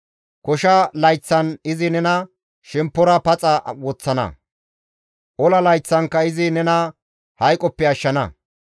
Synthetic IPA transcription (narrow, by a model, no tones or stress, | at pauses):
kɔʃɐlɐjt͡sːɐnɪzɪnɛnɐ | ʃɛmpːɔɾɐpɐt͡sʼɐwɔt͡sːɐnɐ̰ | ʔɔlɐlɐjt͡sːɐŋkːɐɪzɪnɛnɐ | hɐjkʼːɔpːɛɐʃːɐnɐ̰